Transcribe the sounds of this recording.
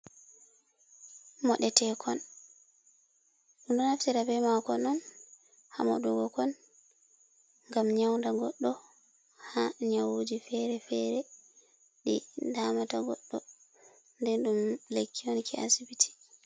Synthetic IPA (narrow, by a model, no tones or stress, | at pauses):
mɔɗɛtɛkʰɔn | ɗundɔnaftiɾabɛmakɔnɔn | ha̰mɔ̰ɗuɡɔkɔn | ŋɡamɲawndaɡɔɗːɔ | haɲawod͡ʒifɛɾɛfɛɾɛ | ɗḭdamataɡɔ̰ɗːɔ | ndɛnɗumlekʰːiɔnkʰɛa̰sibitʰi̥